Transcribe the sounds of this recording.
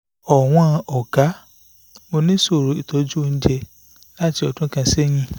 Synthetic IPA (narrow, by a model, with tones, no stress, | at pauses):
ɔ˨w̃ɔ̃˧ʔɔ˨ɡa˨˦ | mo˧nĩ˦so˦˨ɾo˨˦i˦˨tɔ˨˦d͡ʒu˦o˦˧n̩˦d͡ʒɛ˧ | la˦ti˧ɔ˨dũ˦kã˧sɛ˦j̃ĩ˧˨